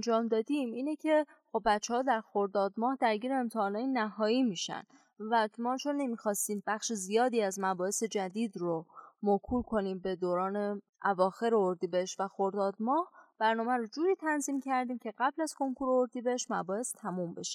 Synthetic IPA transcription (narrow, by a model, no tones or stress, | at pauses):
nd͡ʒɒːmd̪ɒːd̪imiːnecʰe̞ | xo̞bːæt͡ʃʰːehɒːd̪æɾxo̞ɾd̪ɒːd̪mɒːhd̪æɾɡiːɾeemt̪ʰeɒːnɒːjenæɦɒːiːmiːʃæ̰n | væmɒːt͡ʃʰonːemiːxɒːst̪iːmbæχʃizijɒːd̪iːæzmæbɒːhe̞se̞d͡ʒæd̪iːd̪ɾomokʰuːlkʰo̞niːmbe̞d̪oːɾɒːne̞ | ʔævɒːxe̞ɾeoɾd̪iːbeeʃvæxoɾd̪ɒːd̪̚mɒːhb̥æɾnɒːmæɾod͡ʒuːɾiːt̪ʰænziːmcʰæɾd̪iːmcʰe̞ɣæblæz̥ko̞ŋkʰuːɾeoɾd̪iːbeeʃmæbɒːhe̞st̪ʰæmumbe̞ʃe